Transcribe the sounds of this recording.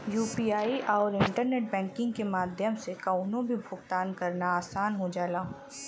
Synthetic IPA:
juːpiːaːiʔɔːɾɪ̃ɳʈəɾneːʈ̚bɛ̃ːŋkɪ̃ŋɡkemaːd̪ʱjəmsekaːʊnõbʱibʱʊɡt̪aːnkɐɾnaaːsaːnɦod͡ʒaːlaː

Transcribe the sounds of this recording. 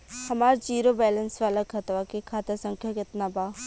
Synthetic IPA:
hɐmaːɾd͡ʒiːɾobɛːlənsʋaːlakʰɐt̪ʋakekʰaːt̪asə̃ŋkʰjakɪt̪nabaː

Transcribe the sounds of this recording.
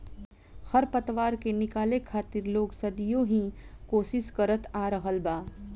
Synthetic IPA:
xɐɾpət̪ʋaːɾkenɪkaːlekʰaːt̪ɪɾloːɡsɐd̪ijõɦĩkoːʃɪʃkɐɾət̪aːɾəɦəlbaː

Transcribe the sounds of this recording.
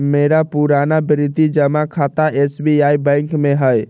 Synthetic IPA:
meɾapuɾanabɾit̪id͡ʒəmakʰat̪aʔesbiajbə̃jŋkmeɦəj

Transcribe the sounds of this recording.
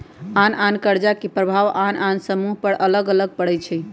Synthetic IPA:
anankəɾd͡ʒakepɾəbʱaʋanansəmuɦpəɽʔələɡələɡ̚pəɽɛt͡ʃʰɛ

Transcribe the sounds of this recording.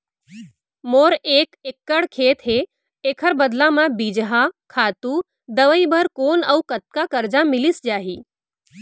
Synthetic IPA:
moːɾeːkekːəɽkʰeːt̪ɦe | eːkʰəɾbɐd̪lãmãbiːd͡ʒɦakʰaːt̪uː | d̪əʋəibəɾkoːnɐukɐt̪̚kakɐɾd͡ʒamɪlisd͡ʒaːɦiː

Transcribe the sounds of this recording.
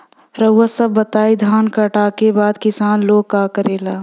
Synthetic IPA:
ɾəwːasɐbːɐt̪aːid̪ʱaːnkɐʈaːkebaːd̪kɪsaːnloːɡkaːkəɾeːlaː

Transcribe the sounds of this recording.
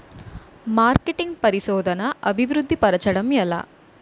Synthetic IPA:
maːɾkeʈiŋɡpɐɾisɔːd̪ʱɐnɐʔɐbʱiʋɾud̪ʱːipɐɾɐt͡ʃɐɽɐmjɛlːɐ̰

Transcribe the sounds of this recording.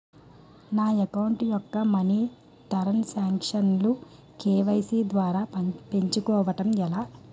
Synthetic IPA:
naːekɐwɳʈjɔkːɐmɐni | t̪ɐɾɐnsaːŋkʂɐnlu | keːʋɐjsiːd̪ʋaːɾaːpe̞ɲt͡ʃukɔːʋɐʈɐmɛlaː

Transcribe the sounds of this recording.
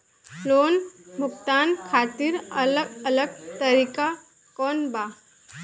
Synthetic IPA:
loːnbʱʊkt̪aːnkʰaːt̪iɾɐləɡɐləɡt̪əɾiːka | kɔːnbaː

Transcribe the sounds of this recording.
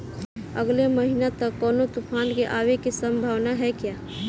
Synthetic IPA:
əɡleməɦinat̪əkːɔːnot̪upʰaːnkeʔaːwekisə̃mbʱaːʋnaɦɛkjaː

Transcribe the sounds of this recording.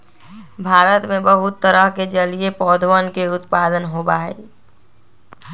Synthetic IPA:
bʱaːɾət̪mẽbəɦʊt̪ːəɾəɦked͡ʒəliepɔːd̪ʱwənkeʊt̪paːd̪ənɦobaɦḛː

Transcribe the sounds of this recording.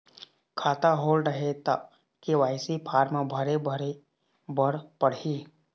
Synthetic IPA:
kʰaːt̪aɦoːlɖɾəɦet̪a | kiʋaːɪsipʰaːɾmãbʱəɾebʱəɾe | bəɽpəɽiː

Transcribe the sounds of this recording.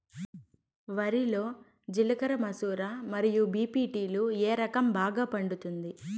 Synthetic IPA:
ʋɐɾilo̞ː | d͡ʒilɐkɐɾɐmɐsuːɾaːmɐɾijubiːpiːʈiːlueːɾɐkɐmbaːɡaːpɐɳɖut̪und̪i

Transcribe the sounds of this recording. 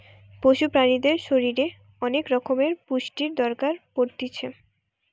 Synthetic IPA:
poʃupɾanid̪eɾʃoɾiɾe | ɔnekɾɔkʰomeɾpuʃʈiɾd̪ɔɾkaɾpoɾt̪it͡ɕʰe

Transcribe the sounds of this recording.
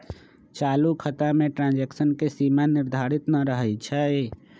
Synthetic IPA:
t͡ʃalukʰət̪ameʈɾãnd͡ʒeksənkesimaniɾd̪ʱaɾit̪nəɾəɦəjt͡ʃʰəe

